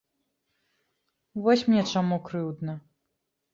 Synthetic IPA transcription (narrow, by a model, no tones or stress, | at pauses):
vɔsʲmnʲɛt͡ʂamukɾɨwd̪nɐ